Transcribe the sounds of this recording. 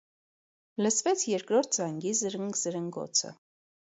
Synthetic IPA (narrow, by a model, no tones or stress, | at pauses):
ləsvɛt͡sʰjɛɾkɾɔɾt̪̚ʰd͡zɑŋɡizəɾəŋɡzəɾəŋɡɔ̰t͡sʰə̰